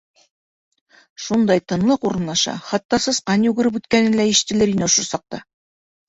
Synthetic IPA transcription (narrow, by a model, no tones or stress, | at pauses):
ʃund̪ɑjt̪ɤ̆nlˠɤquɾɤ̆nlˠɑʃɑ̰χɑt̪ːɑsɤ̆sqɑnjʉɡɘ̆ɾɘpʉt̪kænɘnlæiʃɘ̥̆t̪ɘ̆lɘɾinɘŏʃɤ̆ɾsɑq̚t̪ɑ̰